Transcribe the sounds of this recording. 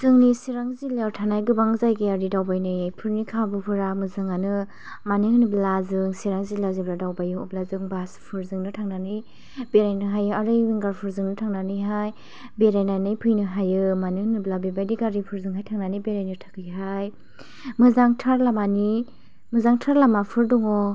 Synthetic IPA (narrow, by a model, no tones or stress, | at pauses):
zɯŋnisiɾaŋzilaɾtʰanajɡɯbaŋzajɡiaɾidawbajnɯjpʰɯɾnikʰabɯpʰɯɾamɯzɯŋanɯ | maniŋniblazɯŋsiɾaŋzilazibladawbajɯɔblazɯŋbaspʰɯɾzɯŋnɯtʰaŋnanɯj | beɾajnɯɦajɯaɾɯjwiŋɡaɾpʰɯɾzɯŋnɯtʰaŋnanɯjɦaj | beɾajnanɯjpʰɯjnɯɦajɯmaniŋnɯblabibajdiɡaɾipʰɯɾzɯŋɦajtʰaŋnanibeɾajnɯtʰḁkʰɯjɦaj | mɯzaŋtʰaɾlamani | mɯzaŋtʰaɾlamapʰɯɾdɔŋɔ